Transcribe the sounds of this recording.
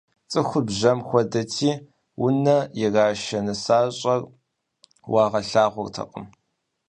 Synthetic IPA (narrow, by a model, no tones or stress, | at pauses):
t͡sʼɨxʷʊbʑɐmxʷɔdɐtʰiː | wʊnɐjɛraːʃɐnɨsaːɕʼɐr | wɑːʁɐɬaːʁʷʊrtʰɐ̰qʼə̰m